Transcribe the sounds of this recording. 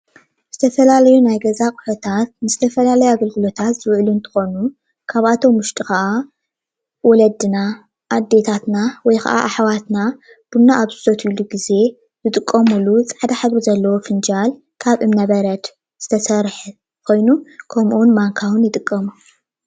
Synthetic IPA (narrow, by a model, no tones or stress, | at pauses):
z̥ɨt̪ʰɐfɐlalɐjunajɡɐzakʼu̥ħot̪ʰat̪̚nɨzɨt̪ʰɐfɐlalɐjaɡɐlɡɨlo̞t̪ʰat̪z̥ɨwʕlunt̪ʰɨ̥xo̞nu | kʰaβʔat̪ʰo̞mːʊʃt̪ʼixɐʔa | wɔlɐd̪ɨna | ʔːd̪ːe̞t̪ʰat̪nawɔjxɐa̰ʔa̰ʔaħwat̪na | b̥unːaʔːβzɨsot̪iluɡize̞ | zɨt̪ʼɨkʼːɐmulut͡sʼaʕd̪aħaβɾizɐlːɐwofɨnd͡ʒal | kʰaβʔɨmnɐβɐɾɐt̪ | z̥ɨt̪ʰɐsɐɾħ | kʰo̞jnukʰɐmʔunmaŋkʰawɨnjɪt̪ʼɨkʼːɐmu